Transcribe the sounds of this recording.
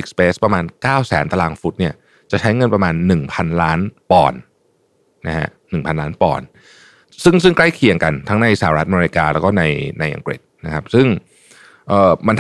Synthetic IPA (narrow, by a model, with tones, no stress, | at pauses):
i˨˩k̚speː˦˥spɾa˧maː˧nkaː˥˩wsɛ̰ː˩˦nt̪a˧laː˧ŋfu˦˥t̪̚ni˥˩ɐ | t͡ɕa˨˩t͡ɕʰa˦˥jŋɤ˧npɾa˧maː˧nːɯ˨˩ŋpʰa˧nlaː˦˥npɔ̰ː˨˩nː | a˦˥hʰa̰˦˥ʔnɯ˨˩ŋpʰa˧nlaː˦˥npɔ̰ː˨˩n | sɯ˥˩ŋsɯ˥˩ŋkla˥˩jkʰi˨˩əŋka˧nt̪ʰa˦˥ŋna˧jsa˨˧˩a˨ɾa˦˥ʔa˧me˧ɾi˦˥kaː˧lɛ˦˥wkɔː˥˩na˧jna˧jʔa̰˧ŋkɾḭ˨˩t̪̚na˦˥kʰa˦˥p̚sɯ˥˩ŋ | ʔɤː˨˩ma˧nt̪